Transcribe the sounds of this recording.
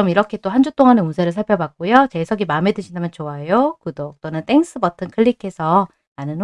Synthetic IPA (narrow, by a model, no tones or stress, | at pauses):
ʌmiɾʌkʰe̞t͈ohand͡ʑut͈oŋɦaneunsʰeɾɯɭsʰaɭpʰjʌbak̚k͈ojot͡ɕesʰʌɡimaɯmɦe̞dɯɕʰindamjʌnt͡ɕoajokɯdok̚t͈onɯnt͈e̞ŋs͈ʰɯbʌtʰɯnkʰɯʎːikʰe̞sʰʌ | anɯn